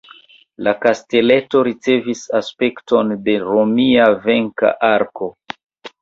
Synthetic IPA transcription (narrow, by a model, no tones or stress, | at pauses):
lakaste̞le̞to̞ɾit͡se̞visaspe̞kto̞nde̞ɾomiave̞ŋka̰ʔaɾko̞